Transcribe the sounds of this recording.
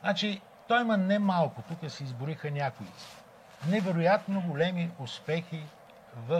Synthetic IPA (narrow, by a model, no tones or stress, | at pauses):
nat͡ʃi | t̪ɔjmɐnɛmalˠkʊt̪ukəsɛizbʊɾixənʲakʊit̪si̥ | nɛvɛɾʊjat̪noɡolɛmiʊspɛxi | vɐ